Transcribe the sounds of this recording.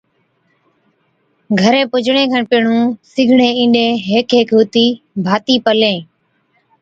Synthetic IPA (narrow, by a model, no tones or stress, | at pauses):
ɡʱəɾẽːpʊd͡ʒʱɳẽːkʰaːɳpɪːɳ̤ũːsɪɡʱɳẽːĩːɗẽːɦeːkeːkɦuːt̪iː | bʱaːt̪iːpəlẽː